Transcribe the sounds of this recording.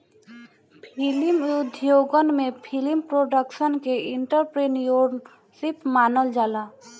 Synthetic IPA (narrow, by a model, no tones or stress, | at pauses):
pʰɪlɪmʊd̪ʱjoːɡənmẽpʰɪlɪmpɾoːɖəkʃənkeɪ̃ɳʈəɾpɾenjoɾ | sɪpmaːnəld͡ʒaːlaː